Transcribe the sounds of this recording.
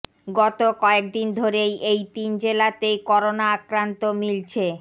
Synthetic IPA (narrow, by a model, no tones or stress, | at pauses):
ɡɔt̪okɔek̚d̪ind̪ʱoɾejejt̪ind͡ʑelat̪ejkɔɾonaakɾant̪omilt͡ɕʰe